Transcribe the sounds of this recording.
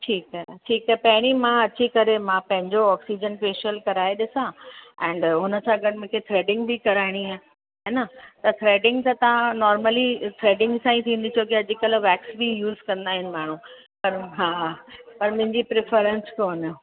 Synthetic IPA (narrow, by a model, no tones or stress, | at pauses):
ʈʰiːkɦaɦeʈʰiːkaːpɐɦɪɽ̃imãɐt͡ɕikɐɾemãpɐ̃ɦɪ̃ɲd͡ʑoɔːksid͡ʑənpeːʃəlkɐɾaːeɗɪsãɛ̃ːɳɖɦʊnə̆sãɐɡəɾmʊ̃kʰet̪ʰɾeːɖɪ̃ŋɡbʱikɐɾaːɪɽ̃iaː | ɦenat̪ɐt̪ʰɾeːɖɪ̃ŋɡt̪ɐt̪ɐʋ̤ãnɔːɾməlit̪ʰɾeːɖɪ̃ŋɡsãːĩt̪ʰĩːnd̪it͡ɕʰokeɐd͡ʑɪkɐlʋɛːksbijuːzkɐ̃nd̪aːɦɪnɪ̆maːɳ̤ũ | pɐɾɦaːpɐɾmʊ̃ɦɪ̃ɲd͡ʑipɾɪfəɾə̃nskoːnə